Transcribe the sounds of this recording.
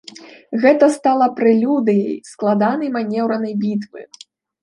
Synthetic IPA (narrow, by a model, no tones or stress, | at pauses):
ɣɛt̪ɐst̪alˠɐpɾɨlʲud̪ɨjɐ̰jsklˠad̪anɐjmanʲɛwɾɐnɐjbʲit̪vɨ̰